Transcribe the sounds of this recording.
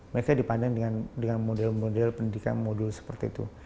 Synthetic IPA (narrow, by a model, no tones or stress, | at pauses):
məɾekadipandaŋdəŋandəŋanmodɛlmodɛlpəndidika̰nmodulsə̥pərt̪ḭːt̪ṵ